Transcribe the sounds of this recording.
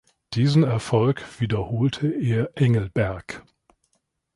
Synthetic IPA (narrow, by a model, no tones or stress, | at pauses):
d̥iːzn̩ɛɐfɔlkv̥iːdɐhoːltʰəʔeːɐʔɛŋl̩bɛɐk